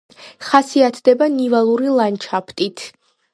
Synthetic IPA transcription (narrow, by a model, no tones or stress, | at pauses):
χasiat̪ʰd̪ɛbanivalˠuɾilˠant͡ʃʰapʰt̪ʼit̪ʰ